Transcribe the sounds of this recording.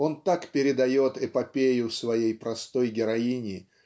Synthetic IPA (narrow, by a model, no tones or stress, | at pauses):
o̞nt̪akpʲɪɾʲɪd̪ɐjo̞t̪ɛpɐpʲejʊfsvɐjejpɾɐst̪o̞jɡʲɪɾɐinʲɪ